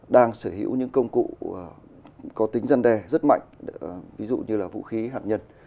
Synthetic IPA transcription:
ɗaː˧ŋsəː˧˩ɦḭ˧˥əwɲɨ̰˧˥ŋkə˧wŋ͡mkṵ˧˨˩ | kɔ˨˦t̪ï˨˦ŋ̟za˧nɗɛ˨˧˩zə˦˥t̚ma̰˧˨jŋ̟vi˨˦zṵ˧˨ɲɨ˧laː˨˩vṵ˧˨xi˨˦ɦaː˨˩t̚ɲə˧n

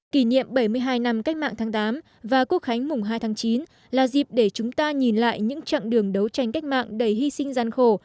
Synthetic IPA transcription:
ki˧˩nḭ˧˨əmɓə˧˩jmɨ˧əjɦaː˧jna˧mka˦˥jk̚ma̰ː˧˨ŋt̪ʰaː˨˦ŋt̪aː˨˦m | vaː˨˩ku˦˥ək̚xa˨˦jŋ̟mʊ˨˩ŋ͡mɦaː˧jt̪ʰaː˨˦ŋt͡ɕi˨˦n | laː˨˩zi˨˩p̚ɗe˧˩t͡ɕʊ˨˦ŋ͡mt̪aː˧ɲi˨˩nla̰ː˧˨jɲɨ̰˧˥ŋt͡ɕa̰ː˧˨nɗɨ˨˩əŋɗə˨˦wt͡ɕa˧˩jŋ̟ka˦˥k̟̚ma̰ː˧˨ŋɗə˧˩jɦi˧sï˧ŋzaː˨˩nxo˧˩

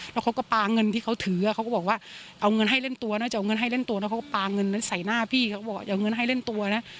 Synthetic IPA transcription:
lɛː˦˥wkʰa˦˥wkɔ˥˩paː˧ŋɤ˧nt̪ʰiː˥˩kʰa˦˥wt̪ʰɯː˩˦a˨˩kʰa˦˥wkːbɔː˨˩k̚waː˥˩ʔa˧wŋɤ˧nɦa˥˩jle˥˩nt̪u˧ɐna˦˥t͡ɕa˨˩ʔa˧ŋɤ˧nɦa˥˩jle˥˩nt̪u˧lɛ˦˥˩kʰkɔ˥˩paː˧ŋɤ˧nːa˦˥sa˨˩jnaː˥˩pʰiː˥˩kʰa˥˩bɔː˨˩wa˥˩ʔŋɤ˧nɦa˥˩jle˥˩nt̪u˧ɐ˧na˦˥

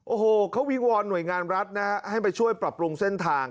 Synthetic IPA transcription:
ʔoː˧˩hoː˨˩kʰa˦˥wi˦˥wɔː˧nːu˨˩əjŋaː˧nɾa˦˥t̪̚na˦˥kʰa˦˥ʔha˥˩jpa˧jt͡ɕʰu˥˩əjpɾa˨˩p̚ɾu˧ŋse˥˩nt̪ʰaː˧ŋ

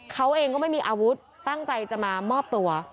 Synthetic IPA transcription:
kʰa˦˥wʔeː˧ŋkɔː˥˩ma˥˩jmiː˧ʔaː˧wu˦˥t̪̚ːa˥˩ŋt͡ɕa˧jt͡ɕa˨˩maː˧mɔː˥˩p̚t̪u˧ɐ

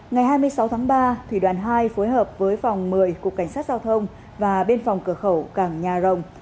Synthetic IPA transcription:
ŋa˨˩jɦaː˧jmɨ˧əjsa˨˦wt̪ʰaː˨˦ŋɓaː˧t̪ʰwḭ˧˩ɗwaː˧˩nɦaː˧jfo˨˦jɦəː˨˩p̚vəː˨˦jfa˨˩wŋ͡mmɨ˨˩əjku˨˩əkːa˧˩jŋ̟saː˦˥t̚zaː˧wt̪ʰə˧wŋ͡m | vaː˨˩ɓe˧nfɔ˨˩wŋ͡mkɨ˧˩əxə˧˩wkaː˧˩ŋɲaː˨˩zə˨˩wŋ͡m

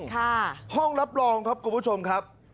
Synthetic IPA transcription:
kʰa˥˩hɔ˥˩ŋɾa˦˥p̚ɾɔː˧ŋkʰa˦˥p̚kʰu˧npu˥˩t͡ɕʰo˧mkʰa˦˥p̚

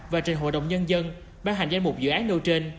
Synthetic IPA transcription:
vaː˨˩t͡ɕë˨˩ŋ̟ɦo̰˧˨jɗə̰˨˩wŋ͡mɲə˧nzə˧n | ɓaː˧ŋɦa˨˩jŋ̟zaː˧mu˨˩k͡p̚zɨ̰˧˨ʔaː˨˦˥nno˧wt͡ɕe˧n

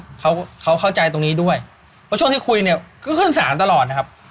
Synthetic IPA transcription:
kʰa˦˥wkʰa˦˥wkʰa˥˩wt͡ɕa˧jt̪o˧ŋniː˦˥du˥˩əj | ppʰɔ˦˥t͡ɕu˥˩ŋt̪ʰiː˥˩kʰu˧jni˥˩ɐkʰɯː˥˩kʰɯ˥˩nsaː˩˦nt̪̬a˧lɔː˨˩t̪̚na˦˥kʰa˦˥p̚

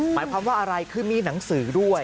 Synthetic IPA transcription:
ma̰ː˩˦jkʰwaː˧mwaː˥˩ʔa˧ɾa˧jkʰɯː˧˩miː˧na˩˦ŋsɯː˩˦du˥˩əj

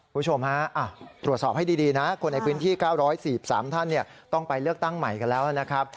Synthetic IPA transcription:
kku˧mbu˥t͡ɕʰo˧mɦa˦˥ʔa˧˩t̪ɾu˨˩ət̪̚sɔː˨˩p̚ha˥˩jdiː˧diː˧na˦˥kʰo˧nːa˧jpʰɯː˦˥nt̪ʰiː˥˩kaː˥˩wɾɔː˦˥jsiː˨˩p̚sa̰ː˩˦mt̪ʰa˥˩nːi˥˩ət̪ɔ˥˩ŋpa˧jlɯ˥˩ək̚t̪a˥˩ŋma˨˩jka˧nlɛː˦˥wʔa˧˩na˦˥kʰɾa˦˥p̚

